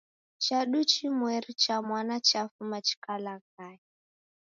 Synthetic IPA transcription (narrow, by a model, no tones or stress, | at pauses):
t͡ʃaɗut͡ʃimwɛɾit͡ʃamwanat͡ʃafumat͡ʃi̥kalakai